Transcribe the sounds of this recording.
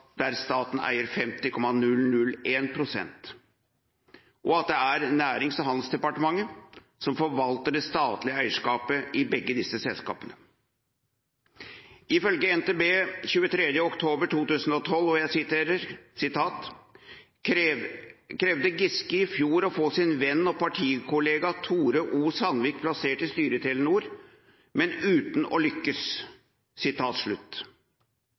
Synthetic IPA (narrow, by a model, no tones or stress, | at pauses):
d̪æɾst̪ɑːt̪n̩æ̰ɪəɾfɛmt̪ɪkʰɔmːɑnʉlnʉlːeːnpʰɾʊsɛ̰nt̪ | ʔɔɑt̪̚d̪ɛæɾnæːɾɪŋsɔɦɑnd̪lsd̪ɛpɑʈəmɑŋːə | sɔmfɔɾʋɑlt̪əɖɛst̪ɑːt̪lɪəæɪəʂkɑːpəʔɪbɛɡːəd̪ɪsːəsɛlskɑ̰ːpənə | ɪfœlɡəɛnt̪eːbeːçʉːət̪ʰɾɛd̪jəɔkt̪ʰoːbəʈʰuːt̪ʉːsn̩ɔt̪ʰɔlːɔjæsɪt̪eːɾəɾsɪt̪ʰɑːt̪ | kʰɾɛʋd̪əɡɪskəɪfjuːɾɔfoːsɪnʋɛnːɔpʰɑʈʰiːkʰʊleːɡɑt̪ʰuːɾəʔuːsɑnʋiːk̚pʰlɑseːʈɪst̪yːɾət̪ʰɪlənuːɾ | mɛnʉːt̪n̩ɔ̰lʏkːəsː | ɪt̪ʰɑːt̪ʂɭʉt̪ː